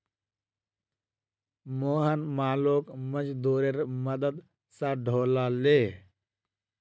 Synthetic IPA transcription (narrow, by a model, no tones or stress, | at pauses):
moːɦənmaːloːkməd͡ʒd̪oːɾeɾməd̪əd̪ | sãɖʱoːlaleː